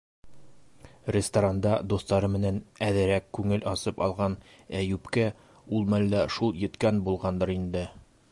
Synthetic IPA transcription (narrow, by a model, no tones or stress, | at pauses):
rʲɪst̪ɐɾand̪ɑd̪ust̪ɑɾɤmɘ̆nænæðɘ̆ɾækːʉŋɘlɒsɤpɒlˠʁɑn | æjʉpkæ | ulˠmæld̪æʃulˠjɘ̆t̪kænbulˠʁɑnd̪ɤɾind̪ɘ